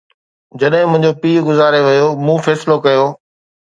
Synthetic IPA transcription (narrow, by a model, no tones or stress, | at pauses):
d͡ʑɐɗɦɪ̃mʊ̃ɦɪ̃ɲd͡ʑopiːɡʊzaːɾeʋɐjomũːfɛːsɪlokɐjoː